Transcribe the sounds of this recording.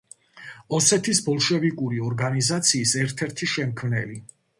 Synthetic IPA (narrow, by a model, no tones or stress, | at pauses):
ɔsɛt̪ʰisbɔlˠʃɛvikʼuɾiɔɾɡanizat̪sʰiːsɛɾt̪ʰɛɾt̪ʰiʃɛmkʰmnɛli